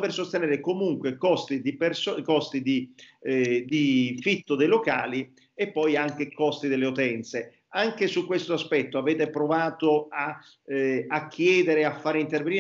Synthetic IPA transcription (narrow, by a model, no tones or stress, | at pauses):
persost̪enɛːɾekomuŋkwekɔst̪id̪ipersɔkɔst̪id̪i | d̪ifit̪ːod̪ejloka̰ːli | epːɔjaŋk̟ekɔst̪id̪elːeut̪ɛnt̪se | aŋk̟esukːwest̪oaspɛt̪ːoaveːt̪epɾovaːt̪oa | akʰːjɛːd̪eɾeafːaːɾeint̪erveni